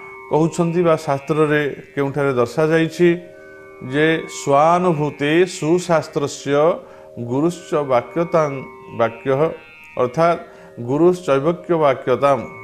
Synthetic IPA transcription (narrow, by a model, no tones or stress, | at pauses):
kɔɦut͡ʃʰɔnt̪ibasast̪ɾɔɾekeũʈʰaɾed̪ɔɾsad͡ʒajt͡ʃʰi | d͡ʒeswanɔbʱut̪esusast̪ɾɔsjɔ | ɡuɾust͡ʃɔbakjɔt̪am | bakjɔɦɔ | ɔ̰ɾt̪ʰat̪ | ɡuɾust͡ʃɔjbɔkjɔbakjɔt̪am